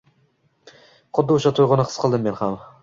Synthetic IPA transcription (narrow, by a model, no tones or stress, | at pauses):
χʊd̪ːɪʊʃat̪ʰojʁʊnɪqʰɨ̥sqʰɨlˠd̪ɪmːe̞nham